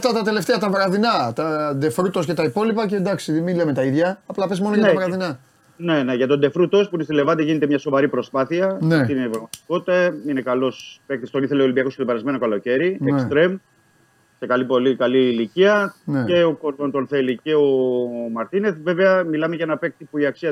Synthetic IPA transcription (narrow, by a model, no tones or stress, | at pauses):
ɐft̪ɐt̪ɐt̪e̞left̪eɐt̪ɐvɾɐðinɐt̪ɐd̪e̞fɾut̪o̞sce̞t̪ɐipo̞lipɐcend̪ɐksimilemet̪ɐiðʝɐːplɐpe̞smo̞noʝɐnevɐɾɐðinɐ | ne̞neʝɐt̪o̞nd̪e̞fɾut̪o̞spuinest̪ile̞vɐt̪eʝinet̪emɲɐso̞vɐɾipɾo̞spɐθiɐneinevɐɣmɐt̪i̥ko̞t̪i̥t̪ɐinekɐlo̞spek̚t̪ist̪o̞niθe̞leolimbiɐkosket̪obe̞ɾɐzme̞no̞kɐlo̞ce̞ɾiekst̪ɾe̞m | se̞kɐlipo̞likɐliːliciɐneeokoont̪o̞nθe̞liceomɐɾt̪ine̞θve̞veɐmilɐmeʝɐenɐpek̚t̪ipuiɐksiɐ